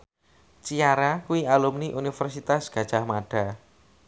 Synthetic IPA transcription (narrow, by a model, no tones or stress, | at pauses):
t͡ʃiaɾakuwialumniʔunifɛrsit̪asɡ̥a̤d̥ʒ̥ahmaɖ̥a̤